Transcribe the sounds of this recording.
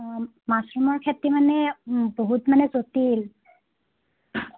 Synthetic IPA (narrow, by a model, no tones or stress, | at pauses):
masɹumɔɹkʰetːimanɛboɦutmanɛzotil